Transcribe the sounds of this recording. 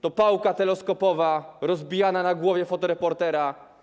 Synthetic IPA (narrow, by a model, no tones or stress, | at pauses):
t̪ɔpawkat̪ɛlɛskɔpɔvaɾɔzbʲijananaɡwɔvʲjɛfɔt̪ɔɾɛpɔɾt̪ɛɾa